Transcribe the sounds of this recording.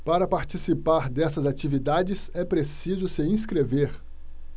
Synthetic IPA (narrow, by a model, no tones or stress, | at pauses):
paɾɐpaɾt͡ʃisipaɾd̪ɛsɐzat͡ʃivid̪ad͡ʒɪsɛpɾesizʊsɪĩs̬kɾeveɾ